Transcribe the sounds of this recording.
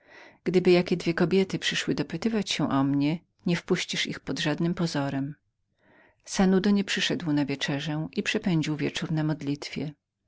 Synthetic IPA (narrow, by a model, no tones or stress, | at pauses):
ɡ̥d̪ɘbɘjakʲɛd̪vʲjɛkɔbʲjɛt̪ɘpʂɘʂwɘd̪ɔpɘt̪ɘvat͡ɕɕɛ̃ʔɔmɲɛ | ɲɛfpuɕt͡ɕiʂḭxpɔd̪ʐad̪nɘmpɔzɔɾɛm | sanud̪ɔɲɛpʂɘʂɛd̪wnavʲjɛt͡ʂɛʐɛʔipʂɛpɛɲd͡ʑiwvʲjɛt͡ʂuɾnamɔd̪lʲit̪fʲjɛ